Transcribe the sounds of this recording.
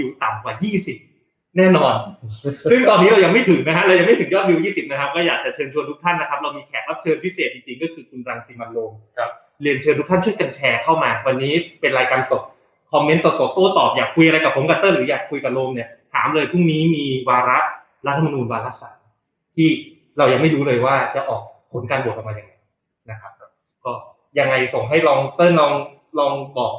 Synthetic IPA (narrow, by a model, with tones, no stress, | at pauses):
wi˧wt̪a˨˩mkwaː˨˩jiː˥˩si˨˩p̚ | nɛː˥˩nɔː˧nsɯ˥˩ŋt̪ɔː˧nːi˦˥ɾa˧wja˧ŋma˥˩jt̪ʰɯ˨˩˦ŋna˦˥kʰa˦˥ɾa˧wja˧ŋma˥˩t̪ʰɯ˩˦ŋjɔː˥˩t̪̚wi˧wjiː˥˩si˨˩p̚na˦˥kʰa˦˥p̚kɔː˥˩jaː˨˩k̚t͡ɕa˨˩t͡ɕʰɤː˧nt͡ɕʰu˧ənt̪ʰu˦˥k̚t̪ʰa˥˩nːa˦˥kʰa˦˥p̚ɾa˧wmiː˧kʰɛː˨˩˦t̪̚wa˦˥p̚t͡ɕʰɤː˧npʰi˦˥seː˨˩t̪̚ʔi˧ŋt͡ɕi˧ŋkɔː˥˩kʰɯː˧kʰu˧nɾa˧ŋsiː˧ma˧nloː˧m | li˧ənt͡ɕʰɤː˧nt̪ʰu˦˥k̚t̪ʰa˥nt͡ɕʰu˥ə˩jka˧nt͡ɕʰɛː˧kʰa˥˩wmaː˧wa˧nːiː˦˥pe˧nɾaː˧jkaː˧nso˨˩p̚ | kʰɔ˧mːe˦˥nso˨˩t̪̚so˨˩t̪̚ʔoː˥˩t̪ɔː˨˩p̚jaː˨˩kʰːu˧jʔa˧ɾa˧jka˨˩pʰo˩˦mka˧˥t̪ɤː˥˩ɾɯː˩˦jaː˨˩kʰu˧jka˨˩loː˧mni˥˩ɐt̪ʰa̰ː˩˦mlɤː˧jt̪ʰu˥˩ŋniː˦˥miː˧waː˧ɾa˦˥ʔ | ɾa˦t̪ʰːa˧m˧nuː˧nwaː˧la˦˥sa˨˩ | t̪ʰiː˥˩ | ɾa˧wja˧˩ŋma˥˩jɾuː˦˥lɤː˧jwaː˥˩t͡ɕa˨˩ʔɔː˨˩k̚pʰːo˩˦nkaː˧nbu˨˩ək̚ʔa˧maː˧ja˧ŋːa˧˩j | na˦˥kʰa˦˥p̚ | kɔː˥˩ | ja˧ŋːa˧jso˨˩ŋɦa˥˩jlɔː˧ŋt̪ɤː˥˩lɔː˧ŋ | lɔː˧ŋbɔː˨˩k̚